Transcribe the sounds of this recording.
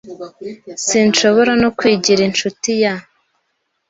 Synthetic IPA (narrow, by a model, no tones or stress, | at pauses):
sinʃo̞βo̞ɾanokwiːɟiɾint͡ʃutija